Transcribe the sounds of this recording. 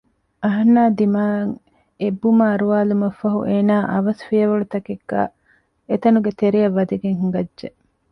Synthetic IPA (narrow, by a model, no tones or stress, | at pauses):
ɐɦɐnːaːd̪imaːɐŋ | ebːumaːɾuʋaːlumɐfːɐɦṵʔeːnaːʔɐʋɐsfiɐʋɐɭut̪ɐkeɡːa̰ː | et̪ɐnuɡet̪eɾijɐʋːɐd̪iɡeŋhuŋɡɐdʒe